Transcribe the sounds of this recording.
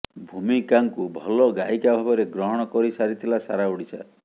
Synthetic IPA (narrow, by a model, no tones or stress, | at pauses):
bʱumikaŋkubʱɔlɔɡaikabʱabɔɾeɡɾɔɦɔɽ̃ɔkɔɾisaɾit̪ʰilasaɾauɽisa̰